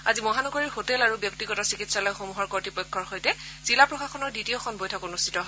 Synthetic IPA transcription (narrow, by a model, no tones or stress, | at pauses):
azimɔɦanɔɡoɹiɹxotɛlaɹubjɔk̚tiɡɔtɔsikitsalɔjxomuɦɔɹkoɹtipɔjkʰːɔɹxojtɛz̥ilapɹɔxaxɔnɔɹditioxʰɔnbojtʰɔkonustʰi̥tɔɦ